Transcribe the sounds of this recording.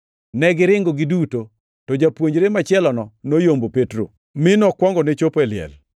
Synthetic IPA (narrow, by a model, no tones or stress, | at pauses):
nɛɡɪɾɪŋɡoɡɪduto | tɔd͡ʒapwoɲd͡ʒɾemat͡ʃɪɛlɔnɔnojombopetɾo̰ | mɪnɔkwɔŋɡɔnet͡ʃopɛlɪɛ̰l